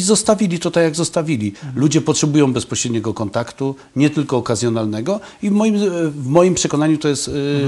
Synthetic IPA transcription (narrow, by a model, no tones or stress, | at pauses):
zɔst̪avʲilʲit̪ɔt̪ajaɡzɔst̪avʲilʲilud͡ʑɛpɔtʂɛbujɔ̃w̃bɛspɔɕɾɛd̪ɲɛɡɔkɔnt̪akt̪u | ɲɛt̪ɘlkɔːkazʲjɔnalnɛɡɔ | ivmɔjimvmɔjimpʂɛkɔnaɲut̪ɔjɛst̪